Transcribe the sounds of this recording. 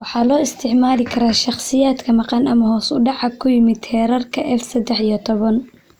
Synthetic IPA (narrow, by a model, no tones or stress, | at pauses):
wɑħɑːlɔːɪst̪ʰɪʕmaːlɪkʰɐɾaːʃɑχsɪjaːd̪kʰɐmɑqɑnɐmɐɦɔːsʊɖɑʕɑkʰːʊjɪmɪd̪hɛːɾɐrkʰɐʔɛfsɐd̪ːɛħijɔt̪ʰɔβɐn